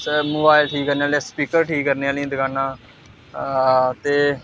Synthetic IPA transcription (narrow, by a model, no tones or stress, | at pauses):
moːbaːɪlʈʰiːkːəɾneːaːlespiːkəɾʈʰiːkːəɾneaːlẽːd̪əkaːnaː | t̪eː